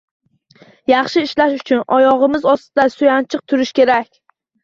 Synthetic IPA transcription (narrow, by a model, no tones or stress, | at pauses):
jɑχʃɪːʃlaʃʊt͡ʃʰʊnʔɒjɒʁɨmɪzɒst̪ɪd̪asʊjant͡ʃʰɨq̚t̪ʰʊɾɪʃkʲe̞ɾakʲ